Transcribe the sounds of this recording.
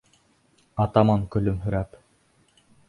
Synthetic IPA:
ɑt̪ɑmɑŋkɵ̆lɵmɦɵ̆ɾæp

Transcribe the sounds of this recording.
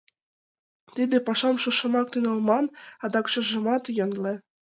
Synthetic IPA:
t̪id̪ĕpɑʃɑmʃuʃɤ̆mɑk̚t̪ynɤ̆lmɑnɑd̪ɑkʃɤ̆ʒɤ̆mɑt̪jɤ̆nlĕ

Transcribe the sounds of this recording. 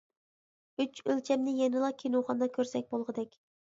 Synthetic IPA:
yt͡ʃølt͡ʃʰɛmnɪjɛnɨlˠɑkʲʰenuχɑnd̪ɑkʲʰøɾsɛk̚ʲbolˠʁɨd̪ɛkʲ

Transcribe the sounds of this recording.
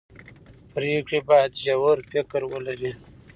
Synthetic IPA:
pɾeːkɽibɑd̪ʒawəɾfɪkɾwəlaɾi

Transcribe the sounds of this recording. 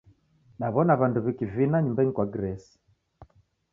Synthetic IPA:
naβɔnaβanduβikivinaɲumbaŋikwaɡɾɛsi̥

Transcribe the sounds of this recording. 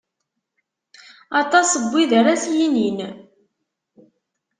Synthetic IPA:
ɑt̪ˤɑsəbʷːiðəɾasjinin

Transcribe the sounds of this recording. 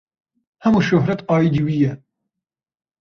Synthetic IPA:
hɛmuːʃʊɦɾɛt̪ɑːjid̪iwijɛ

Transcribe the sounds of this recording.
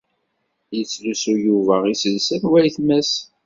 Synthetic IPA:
jət͡sːlusujuvæʁisəðsænwæjθmæs

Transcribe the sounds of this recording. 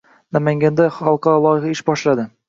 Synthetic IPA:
namaŋɡʲand̪aχɑlˠqɑɾɒlˠɒjɪχɑɪʃbɒʃlad̪ɪ

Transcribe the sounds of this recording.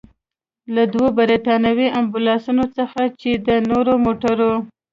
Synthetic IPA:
lad̪wobaɾeʈɑnawiambulɑsunot͡səxat͡ʃed̪ənoɾomoʈaɾo

